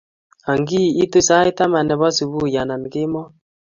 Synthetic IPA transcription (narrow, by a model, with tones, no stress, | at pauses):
a˨ŋɡi˦˨i˦tu˦sa˦i˦ta˦ma˨nɛ˨βɔ˦su˨βu˦˨ja˨na˨m˨kɪ˦mɔ˦